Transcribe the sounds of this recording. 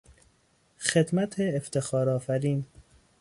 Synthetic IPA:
xed̪mæt̪ʰeːft̪ʰexɒːɾɒːfæɾiːn

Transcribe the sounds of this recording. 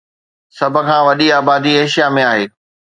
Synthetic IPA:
sɐbʱə̆kʰãːʋɐɗiaːbaːd̪ieːʃijamẽaːɦeː

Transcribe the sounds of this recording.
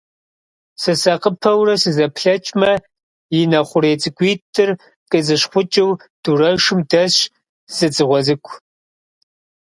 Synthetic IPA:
sɨsɐqəpʰɐwrɐsɨzɐpʰɬɐt͡ʃʼmɐ | jɪnɐχʷʊɾeːt͡sʼɨɡʷiːtʰɨr | qʼəzɨɕχʷʊt͡ʃʼɪwd̥urɐʂɨmdɐɕ | z̥ɨt͡sʼɨʁʷɔzɨkʷʰʼ

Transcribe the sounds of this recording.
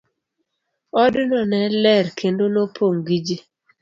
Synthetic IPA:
ɔdnɔnɛlɛɾkʰendonopʰoŋɡid͡ʒi

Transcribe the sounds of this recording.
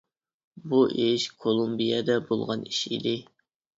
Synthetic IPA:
buʔɪʃkʰolˠumbijɛd̪ɛbolˠʁɑniʃḭd̪ɪ

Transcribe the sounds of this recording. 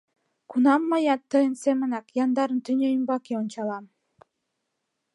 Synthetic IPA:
kunɑmːɑjɑt̪ːɤjənsemənɑkjɑnd̪ɑɾənt̪ynʲøjəmbɑkeonʲt͡ɕɑlˠɑm

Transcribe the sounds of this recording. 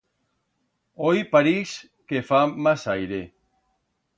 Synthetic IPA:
ojpaɾis | kefamasajɾe

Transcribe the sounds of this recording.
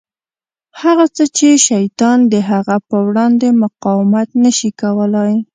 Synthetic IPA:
haɣat͡sət͡ʃeʃajt̪ɑnd̪əɦaɣapəwɽɑnd̪emʊqɑwɪmat̪nəʃikawəlaj

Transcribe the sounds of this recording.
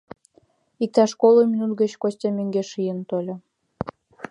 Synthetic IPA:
ik̚t̪ɑʃkolˠomʲinut̪̚ɡət͡ɕkosʲtʲemøŋɡeʃijənt̪olʲo

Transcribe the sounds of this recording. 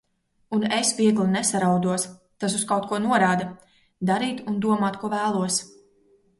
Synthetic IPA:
unesviɛɡlˠinɛsaɾawd̪uɔs | t̪as̬uskawt̪̚kuɔnuɔɾaːd̪a | d̪aɾiːt̪und̪uɔmaːt̪̚kuɔvæːlˠuɔs

